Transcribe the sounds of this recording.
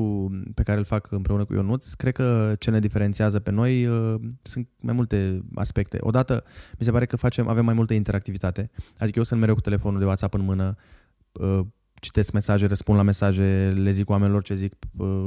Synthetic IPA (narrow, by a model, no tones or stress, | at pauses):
upe̞kaɾelfakʰɨmpɾe̞unəkṵjo̰nut̪skɾe̞d̪̚kət͡ʃe̞ne̞d̪ifeɾent̪siazəpe̞no̞jəsɨnt̪̚ma̰jmult̪e̞a̰spe̞k̚t̪ḛʔo̞̰d̪at̪əmis̬e̞paɾe̞kəfat͡ʃe̞mʔa̰ve̞mːajmult̪əint̪e̞ɾakt̪ivit̪at̪e̞ad̪ikəjewsɨnt̪meɾewkut̪e̞lefo̞nud̪ewat̪sapɨnmɨnə | ə | t͡ʃi̥t̪e̞skme̞saʒerəspund̪lame̞saʒe̞le̞zikuwamenilo̞rt͡ʃezikə